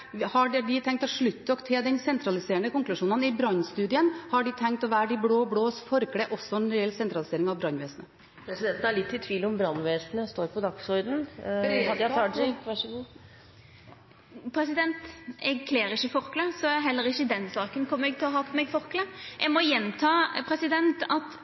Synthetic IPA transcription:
hɑɖɖɪt̪ʰɛŋkt̪ɔʂɭʉt̪ːəɔkt̪ʰɛd̪ɛnsɛnt̪ʰɾɑlɪseːəɳəkʊŋklʉʂuːnənɪbɾɑnːst̪ʉːd̪ɪənhɑɖɪt̪ʰɛŋkt̪ɔʋæːɾɖɪbɽoːɔbɽoːsfɔɾkɽɛʔɔsːɔnɾɛɛlsɛnt̪ɾɑlɪseːɾɪŋɑʋbɾɑnːʋeːsnə | pʰɾɛsɪd̪ɛnt̪n̩æɭɪt̪ʰːɪt̪ʰʋiːlɔmbɾɑnːʋeːsnəst̪oːɾpʰɔd̪ɑksɔɾd̪n̩hɑd̪ɑɑɪkʋæʂɔɡuː | pʰɾɛsɪd̪ɛnt̪ɛɡkʰleːɾɪçːəfɔɾkləsɔɛɦɛlːəɾɪçəd̪ɛnsɑːkənkʰɔmːəɾɛɡ̚t̪ʰɪlɔɦɑːpʰɔmɛɡfɔɾkləʔɛɡmɔjɛnt̪ʰɑːpʰɾɛsɪd̪ɛnt̪ɑt̪

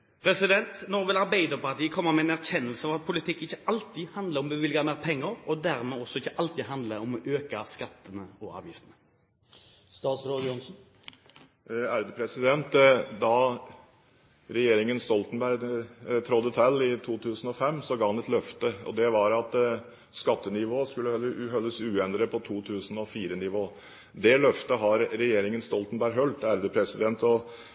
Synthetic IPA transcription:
pʰɾɛsɪd̪ɛnt̪nɔːʋɛlɑɾbæɪd̪əpɑt̪iːəkʰɔmːəmɛɛnæʁçɛnːəlsəɑːʋɑt̪̚pʰʊlɪt̪ʰɪkːɪçːəɑlt̪iːhɑnd̪ləɾɔmbɛʋɪlɡɑmæːʁpʰɛŋːəɾɔd̪æɾmɛɔsːɔɪçːəʔɑlt̪iːd̪ɦɑnd̪ləɾɔmʔøːkɑskɑt̪ːənəɔɑ̰ːʋjɪft̪ənə | st̪ɑːt̪sɾoːd̪jɔnsn̩ | æɾd̪əpʰɾɛsɪd̪ɛnt̪d̪ɑ | ɾɛjeːɾɪŋənst̪ɔlt̪nbæɾt̪ʰɾɔd̪ət̪ʰɛlːɪt̪ʰuːt̪ʰʉːsən̩ɔfɛmːsɔɡɑːhɑnɛt̪lœft̪əɔ̰d̪ɛʋɑɾɑt̪ | skɑt̪ːənɪʋoːskʉlːəhœlːəsʉːɛnd̪ɾəpʰɔt̪ʰuːt̪ʰʉːsn̩ɔfiːɾənɪʋoː | d̪ɛlœft̪əɦɑɾɾɛjeːɾɪŋənst̪ɔlt̪nbæɾɦœlt̪æɾd̪əpʰɾɛsɪd̪ɛnt̪ɔ

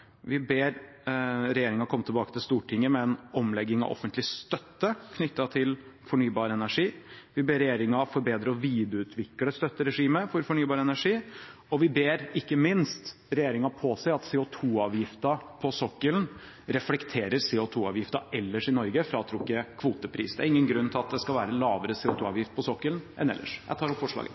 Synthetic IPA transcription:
ʋɪbeːɾ | ɾɛjeːɾɪŋɑkʰɔmːət̪ʰɛbɑːkət̪ʰɪlst̪uːʈʰɪŋːəmɛɛnɔmlɛɡːɪŋɑ̰ʋʔɔ̰fənt̪lɪst̪œt̪ːəkʰnʏt̪ːɑt̪ʰɪlfɔɳyːbɑːɾəɛnæʂiːʋɪbeːɾɛjeːɾɪŋɑfɔɾbeːd̪ɾəɔʋiːd̪əʉːt̪ʰʋɪkləst̪œt̪ːəɾɛʂiːməfɔɾfɔɳyːbɑːɾəɛnæʂiːɔʋɪbeːɾɪkːəmɪnst̪ɾɛjeːɾɪŋɑpʰɔsæɪɑt̪seːʊt̪ʰuːɑːʋjɪft̪ɑpʰɔsɔkːəln | ɾɛflɛkt̪ʰeːɾəɾsɛːʊt̪ʰuːɑ̰ːʋjɪft̪ɑʔɛlːəʂɪnɔɾɡəfɾɑt̪ʰɾʊkːəkʰʋuːt̪əpʰɾḭːsd̪æɾɪŋːənɡɾʉnːət̪ʰɪlɑt̪̚d̪ɛskɑlʋæːɾəlɑːʋəɾəseʊt̪ʰuːɑ̰ːʋjɪft̪̚pʰɔsɔkːəlnʔɛ̰nɛ̰lːʔə̰ʂjæ̰ɪt̪ɑːɾɔpfɔʂɭɑ̰ːɡə̰

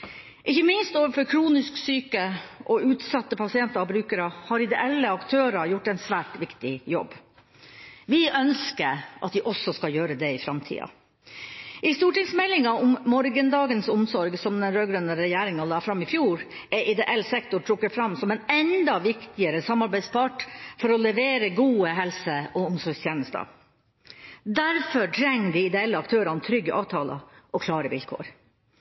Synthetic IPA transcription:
ʔɪçəmɪnst̪oːʋəɾfɔɾkʰɾuːnɪsksyːkəʔɔʉːt̪sɑt̪ːəpʰɑsɪɛnt̪əɾɑbɾʉːkəɾɑhɑːɾɪd̪ɛʔɛlːəɑkt̪ʰøːɾɑjʊʈːɛɪnsʋæːʈʋɪkt̪ɪjɔ̰bː | ʋɪʔœnskəɾʔɑ̰t̪d̪ɪʔɔsɔskɑjøːɾəd̪ɛɪfɾɑmt̪ʰḭːɑ̰ | ʔɪst̪uːʈɪŋsmɛlːɪŋɑʊmːɔɾɡənd̪ɑːɡənsʊmsɔɾɡsɔmd̪ɛnɾøːɡɾœnəɾɛjæːɾɪŋɑlɑːfɾɑmːɪfjuːɾ | ʔɛʔɪd̪ɛʔɛlsɛkt̪ʊʈʰɾʊkːəfɾɑmsɔmɛnɛnd̪ɑʋɪkt̪ɪəɾəsɑmɑɾbæɪspʰɑʈfɔɾɔlɛʋeːɾəɡuːəɦɛlsəɔʊmsɔɾɡst̪jeːnəst̪ə̰ | d̪æɾfɔʈʰɾɛŋːədɪɪd̪ɛɛlːəɑkt̪ʰøːɾɑnət̪ʰɾʏɡːəʔɑːʋt̪ʰɑːlɑ̰ʔɔkʰlɑːɾəʋɪ̰lkʰo̰ːɾ

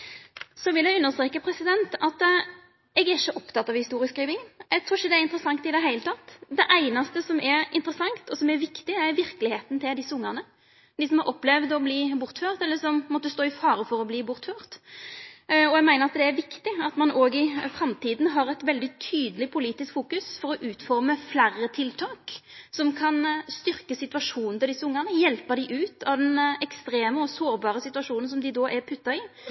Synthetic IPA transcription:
sɔʋɪljæɡʉnːəst̪ɾeːkəpʰɾɛsɪd̪ɛnt̪ɑt̪ | ɛɡæɾɪçːəʔɔpt̪ʰɑt̪ːɑʋhɪst̪uːɾɪəskɾiːʋɪŋəɛɡt̪ʰɾʊɪçəd̪ɛæɾɪnt̪əɾəsɑŋt̪ɪd̪ɛɦæɪlət̪ʰɑt̪ːd̪ɛʔæɪnɑst̪əsɔmɛɾɪ̰nt̪əɾəsɑŋt̪ɔsɔmæɾʋɪkt̪ɪæɾʋɪɾkəlɪheːt̪n̩t̪ʰɪld̪ɪsəʊŋːɑʁnə | d̪ɪsɔmhɑɾʔɔpːlɛʋd̪ɔbliːbʊɾt̪føːʁt̪ɛlːəsɔmmɔt̪ːəst̪oːɪfɑːɾəfɔɾɔbliːbʊɾt̪føːɾt̪ | ɔjɛɡmæɪnəɾɑt̪̚d̪ɛæɾʋɪkt̪ɪɑt̪mɑnʔoːɡɪfɾɑmt̪ʰiːd̪n̩ɦɑɾɛt̪ʋɛld̪ɪt̪ʰyːd̪əlɪpʰʊliːt̪ɪskfuːkʉsfɔɾɔʔʉːt̪fɔɾməflærət̪ʰɪlt̪ʰɑːksɔmkʰɑnst̪ʏʁkəsɪt̪ʉʋɑʂuːnn̩t̪ʰɪld̪ɪsəʊŋːəʁnəjɛlpəʁd̪ɪʔʉːt̪ɑʋd̪ɛnɛkst̪ɾeːməɔsoːɾbɑːɾəsɪt̪ʉʋɑʂuːnən̩sɔmd̪ɪd̪oːʔæɾpʰʉt̪ːɑɪ

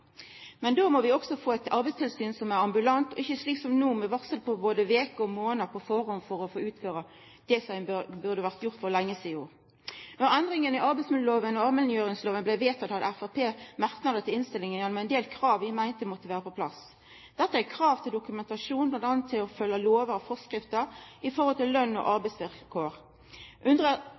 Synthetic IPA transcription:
mɛnd̪oːmɔʋɪɔksɔfoːɛt̪ɑʁbɛɪst̪ʰɪlsyːnsɔmæʁɑmbʉlɑnt̪ɔ̰ɪçːəsliːksɔmnuːmɛʋɑksət̪̚pʰɔboːd̪əʋeːkəɔmoːnəpʰɔfɔʁɔnfɔɾɔfoːʉːt̪føːʁə | d̪̥ɛsɔæɪbʉʁd̪əʋæʁt̪jʊʁt̪fɔʁlɛŋːəsiːoːʁ | nɔɾʁɛnd̪ʁɪŋənɪɑʁbæɪtsmɪd̪loːʋənɔɑʋmɛlnjøːʁɪŋsloːʋənblæʋeːt̪ʰɑt̪hɑt̪æfæpʰeːmɑʁknɑd̪ət̪ʰɪlɪnst̪ɪlːɪŋənjɛnɔmɛnd̪eːlkʰʁɑːʋɪmæɪnt̪əmɔt̪ːəʋæːʁəpɔpʰlɑ̰s | d̪̥ɛt̪ːəækʰʁɑːʋt̪ʰɪld̪ʊkʉmɛnt̪ɑʂuːnblɑnt̪ɑnt̪ʰːɪlɔfœlːəloːʋəɾfɔskɾɪft̪əʁɪfɔhɔlt̪ɪlːœnːɔ̰ʔɑʁbæɪsʋɪlkʰoːʁ | ʔʉnd̪ʁə

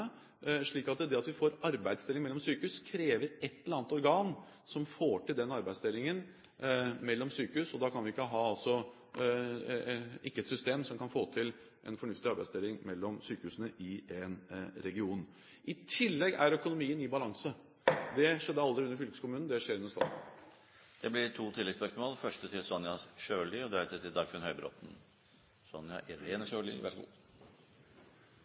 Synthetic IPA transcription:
ə | ʂɭiːkɑt̪d̪ɛɑt̪ʋɪfoːɾɑɾbæɪd̪st̪ɪlːɪŋmɛlːɔmsyːkəʉskʰɾeːʋəɾɛt̪ːɛləɾɑːnt̪ɔɾɡɑːn | sɔmfoːʈɪld̪ɛnɑɾbæɪst̪ɪlːɪŋən | mɛlːɔmsyːkəʉsɔd̪ɑkʰɑnʋɪɪkːəɦɑːɑlsɔ | ɪkːəɛt̪sʏst̪eːmsɔmkʰɑnfoːt̪ʰɪl | ʔɛ̰nfɔɳʉft̪ɪɑɾbæɪdst̪ɪlːɪŋmɛlːɔmsyːkəʉːsənəʔɪɛnɾɛɡɪuːn | ʔɪt̪ʰɪlːɛɡæɾœkʊnʊmiːənɪbɑlɑŋsə | d̪ɛʂɛd̪ːəɑld̪ɾɪʉnːəɾfʏlkəskʊmʉːnn̩d̪ɛʂeːɾʉnːəɾʂt̪ɑːt̪n̩ | d̪̥ɛblɪɾʈʰuːt̪ʰɪlːɛɡspœʂmoːlfœʂʈət̪ʰɪlsɔnjɑsʂøːlʏɔd̪æt̪ət̪ɪld̪ɑɾɡfɪnhœʏbɾɔ̰t̪n̩ | sɔnjɑ̰ʔɪɾeːnəʂøːlḭʋæ̰

